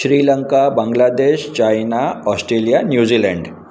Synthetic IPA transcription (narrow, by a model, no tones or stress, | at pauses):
ɕɾiləŋkabãŋɡlad̪eɕt͡ɕajnaɔsʈɾelijanjud͡ʑilɛɳɖ